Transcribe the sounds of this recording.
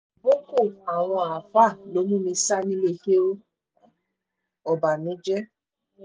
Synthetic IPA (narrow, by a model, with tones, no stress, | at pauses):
bo˦ko˦˨a˨ɾ̃ɔ̃˧a˨fa˦˨lo˨˦mũ˦mĩ˧sa˦nĩ˦le˦˨he˦o˦ | ɔ˨ba˨nĩ˨˦d͡ʒɛ˦